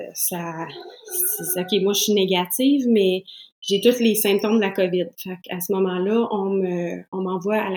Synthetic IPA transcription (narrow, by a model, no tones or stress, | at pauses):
sasesɔkʲemwaʃineɡʲat̪ivmɛʒet̪ʊt̪lesɛ̃p̚t̪õmd̪əlakʌvɪd̪̚fakʰasəmɔmɑ̃lʌʔɔ̃møɔ̃mɑ̃vwaːl